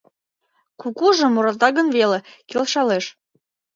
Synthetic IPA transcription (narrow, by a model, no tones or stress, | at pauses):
kukuʒɤ̆moɾɑt̪ɑɣə̆nβelekelʃɑleʃ